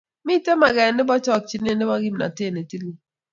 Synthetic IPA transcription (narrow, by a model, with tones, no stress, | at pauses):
mɪ˦˨te˦ma˨ɡɛ˨nːɪ˦bɔ˦t͡ʃɔ˦k̚t͡ʃi˨˦n˦e˦nɪ˦bɔ˦ɡi˦mna̰˨te˦˨ne˨ti˦lu˦